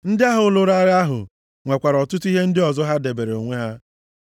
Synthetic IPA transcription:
n̩˦dɪ˦a˦ɦʊ˨˦lʊ˦ɾa˦ɾɪ˦a˦ɦʊ̰˨ | ŋʷe˨kʷa˨ɾɔ˨tʊ˦tu˦i˦ɦe˦n̩˦dɪ˦ɔ˨zɔ˦ɦa˦de˨be˨ɾe˨o˨ŋʷe˦ɦa˦

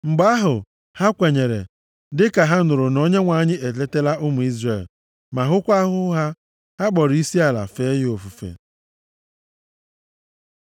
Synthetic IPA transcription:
ŋ͡m̩˨ɡ͡ba˦ɦʊ˨ | ha˦kʷe˨ɲe˨ɾḛ˨ | dɪ˦ka˨ɦa˦nʊ˨ɾʊ˨no˦ɲe˦ŋʷa˨˦ɲɪ˦e˨te˦te˦la˦ʔʊ˦mʊ˨i˦zre˨l | ma˨ɦʊ˦kʷa˦ɦʊ˦ɦa˦ | ha˦ɡ͡bɔ˨ɾi˦si˦a˨la̰˨fe˦jo˨fu˨fḛ˨

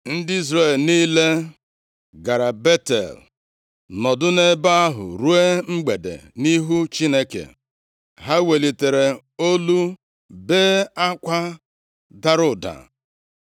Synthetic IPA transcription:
n̩˦dɪ˦i˦zɾe˨lni˦le˦ | ɡa˨ɾa˨be˦tḛ˨l | nɔ˨dʊ˦ne˦ba˦a˦ɦʊ̰˨ɾu˦e˦ŋ͡m̩˦ɡ͡be˨dḛ˨ni˦ɦu˦t͡ʃi˦ne˦kḛ˨ | ɦa˦we˨li˨te˨ɾe˨ | o˦lu˦ | beː˦a˦kʷa˦ | da˦ɾʊ˨da̰˨

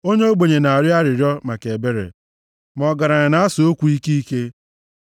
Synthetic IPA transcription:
o˦ɲe˦o˦ɡ͡bo˨ɲe˨na˨a˨ɾja˦ɾɪ˨ɾjɔ˦ma˨ke˨be˦ɾḛ˨ | mɔ˨ɡa˨ɾa˨ɣɪ˨na˨˦a˦so˨o˦kʷu˨i˦ki˦i˦ke˦

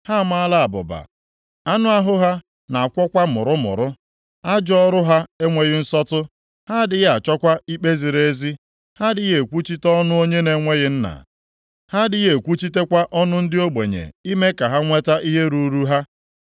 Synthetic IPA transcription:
ha˦˨ma˦a˦la˦a˨bʊ̰˨ba̰˨ | a˦nʊ˦a˦ɦʊ˦ɦa˦ | na˨a˨kʷɔ˦kʷa˦mʊ̰˨ɾʊ˦mʊ̰˨ɾʊ˦ | a˦d͡ʒɔ˦ɾʊ˦ɦa˦e˦ŋʷe˨ɣɪ˦n̩˦sɔ˦tʊ˦ | ha˦dɪ˨ɣa˨t͡ʃɔ˦kʷa˦i˦k͡pe˦zi˨ɾe˦zi˦ | ha˦dɪ˨ɣe˨kʷu˦t͡ʃi˦tɔ˦nʊ˦o˦ɲe˦ne˨ŋʷe˦ɣɪ˦n̩˦na̰˨ | ha˦dɪ˨ɣe˨kʷu˦t͡ʃi˦te˦kʷa˦ʔɔ˦nʊ˦n̩˦dɪ˦o˦ɡ͡bḛ˨ɲḛ˨i˦me˦ka˨ɦa˦ŋʷe˦ta˦ʔi˦ɦe˦ɾu˨ɾu˦ɦa˦

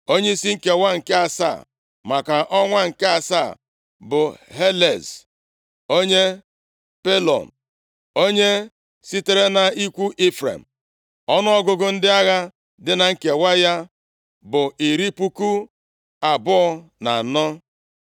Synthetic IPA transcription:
o˦ɲe˦i˦si˦ŋ̩˦ke˨wa˦ŋ̩˨ke˦a˨sa̰ː˦˨ | ma˨ka˨ʔɔ˦ŋʷa˦ŋ̩˨ke˦a˨sa̰˦˨ | bʊ˨ɦe˦le˨z | o˦ɲe˦ | pe˦lɔ̰˨n˨ | o˦ɲe˦ | si˦te˦ɾe˦na˨i˦kʷu˦ʔe˦fɾḛ˨m̩˨ | ɔ˦nʊ˦ɔ˦ɡʊ˨ɡʊ˨n̩˦dɪ˦a˦ɣa˦ | dɪ˦na˨ŋ̩˦ke˨wa˦ja˦ | bʊ˨i˨ɾi˦pu˦ku˦ | a˨bʊ˦ɔ˦na̰˨nɔ˦

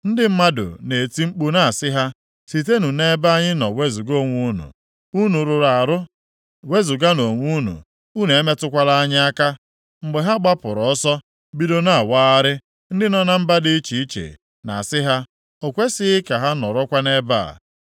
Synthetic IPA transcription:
n̩˦dɪ˦m̩˦ma˦dʊ̰˨ne˨ti˦ŋ͡m̩˦k͡pu˦na˨a˨sɪ˦ɦa˦ | si˨t̬e˦nu˨ne˦ba˦a˦ɲɪ˦nɔ˨we˦zu˨ɡo˦˨ŋʷu˦nṵ˨ | u˦nu˨ɾʊ˨ɾa˨ɾʊ˦ | we˦zu˨ɡa˦no˨ŋʷu˦nṵ˨ | u˦ne˨e˦me˦tʊ˦kʷa˦la˦a˦ɲɪ˦a˦ka˦ | ŋ͡m̩˨ɡ͡be˨ɦa˦ɡ͡ba˦pʊ˨ɾɔ˨ɔ˦sɔ˦ | bi˦do˦na˦a˨waː˦a˦ɾɪ˦ | n̩˦dɪ˦nɔ˦na˦m̩˦ba˦dɪ˦i˦t͡ʃi˨i˦t͡ʃḛ˨ | na̰˨sɪ˦ɦa˦ | o˨kʷe˦sɪ˦ɪ˦ka˨ɦa˦nɔ˨ɾɔ˦kʷa˦ne˦ba̰˦˨

